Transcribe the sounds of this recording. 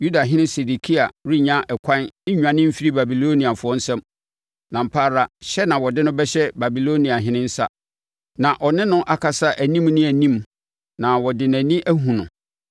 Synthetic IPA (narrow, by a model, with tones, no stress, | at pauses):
ju˦da˨ɦɪ̃˦nɪ̃˦se˨di˨kʰi˦a˨ɾi˦ɲã˦ʔɛ˨kʷʰã˦n̩˦ɲᶣ˨ã˨nɪ̃˦m̩˦fi˦ɾi˦ba˨bi˨lo˦nĩ˨a˨fʊ˨ɔ˦n̩˦sɛ̃˦m | nã˨m̩˨pʰa˦˨ɾa˦ɕɛ˦nã˨wɔ˨dɪ˦nʊ̃˦bɛ˦ɕɛ˦ba˨bi˨lo˦nĩ˨a˨ɦɪ̃˦nɪ̃˦n̩˦sa̰˦ | nã˨ʔɔ˨nɪ̃˦nʊ̃˦ʔa˨kʰa˨sa˦ʔæ˨nĩ˦mnɪ̃˦æ˨nĩ˦m | nã˨wɔ˨dɪ˨næ̃˨nĩ˦ʔæ˦ɦũ˨nʊ̃˨